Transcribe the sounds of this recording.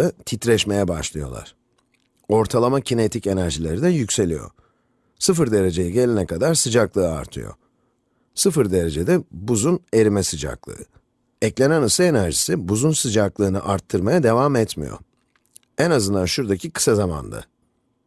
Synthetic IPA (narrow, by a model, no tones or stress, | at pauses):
ɯt̪ʰit̪ɾɛʃme̞jɛbaʃlˠɯjo̞̰lˠa̰ɾ̥ | o̞ɾt̪ʰalˠamacʰine̞t̪ʰice̞næɾʒilʲe̞ɾid̪æjycse̞lʲḭjo̞̰ | sɯfɯɾd̪e̞ɾe̞d͡ʒe̞jiɟe̞lʲinɛkʰad̪aɾsɯd͡ʒaklˠɯːa̰ɾt̪ʰɯ̰jo̞̰ | sɯfɯɾd̪e̞ɾe̞d͡ʒed̪ɛbuzune̞ɾimɛsɯd͡ʒa̰klˠɯ̰ɯ | ɛclʲe̞nænɯsɯe̞næɾʒisibuzunsɯd͡ʒaklˠɯːnɯʔaɾt̪ʰːɯɾmajad̪e̞vaːmɛt̪mḭjo̰ | ɛnazɯnd̪anʃuɾd̪acʰikʰɯ̥sazama̰nd̪a̰